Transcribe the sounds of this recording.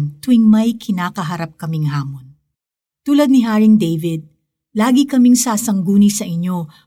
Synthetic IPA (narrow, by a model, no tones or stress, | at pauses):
ŋt̪wɪŋmɐjkʰɪnaːkɐɦɐɾap̚kɐmɪŋɦaːmon | t̪uːlɐd̪̚nɪɦaːɹɪŋd̪ejvɪd̪̚ | laːɡikɐmiŋsaːsɐŋɡuːnisɐʔɪɲːo̞